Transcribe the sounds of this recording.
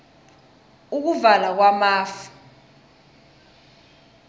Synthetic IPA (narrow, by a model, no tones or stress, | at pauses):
uk̬uvalak̬wamaːfu̥